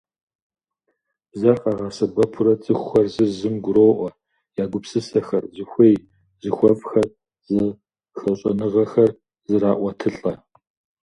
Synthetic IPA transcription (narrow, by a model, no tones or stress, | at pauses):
zɐrqʼɑʁɑsɐbɐpʰʊɾɐt͡sʼɨxʷʊxɐrzɨrzɨmɡʷʊɾoːʔʷɔ | jaːɡʷʊpsɨsɐxɐrzɨxʷej | zɨxʷɔvxɐr | zɐ | xɐɕʼɐnɨʁɐxɐr | zɨɾaːʔʷɔtʰɨɬʼɐ